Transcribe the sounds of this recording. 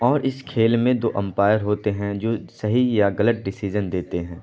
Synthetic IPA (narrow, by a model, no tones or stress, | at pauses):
ɔːɾʔɪskʰeːlmẽd̪oːʔə̃mpaːjəɾɦoːt̪eɦɛ̃d͡ʒoːsɐɦijaɡɐləʈ̚ɖɪsiːd͡ʒənd̪eːt̪eɦɛ̃ː